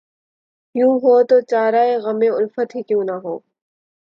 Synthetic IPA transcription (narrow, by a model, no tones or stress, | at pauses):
jũːɦoːt̪oːt͡ʃaːɾaːeɣɐmeʊlfət̪ɦikjũːnaɦoː